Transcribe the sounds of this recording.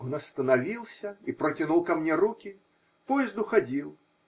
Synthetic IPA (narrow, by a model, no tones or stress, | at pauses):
onɐst̪ənɐvʲilˠsʲəipɾətʲɪnulˠkɐmnʲeɾukʲɪ | pojɪzd̪ʊxɐdʲilˠ